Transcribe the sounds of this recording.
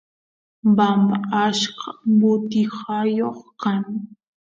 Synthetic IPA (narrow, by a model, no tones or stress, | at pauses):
bambaaʃqɑbʊt̪ɪhɑjoχkaŋ